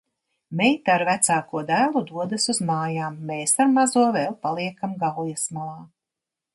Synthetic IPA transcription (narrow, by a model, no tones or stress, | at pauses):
mɛjt̪ːɾvæt̪saːkuɔd̪æːlˠud̪uɔd̪asuzmaːjaːmːeːsaɾmazuɔvɛːlˠpalˠiɛkamɡaljasmalˠaː